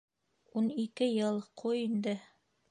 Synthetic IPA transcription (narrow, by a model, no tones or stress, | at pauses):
unikɘjɤlˠqʰujind̪ɘ